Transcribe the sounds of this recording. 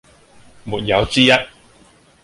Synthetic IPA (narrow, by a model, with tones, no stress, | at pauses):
muː˨t̚jɐ˨˧wt͡siː˥jɐ˥t̚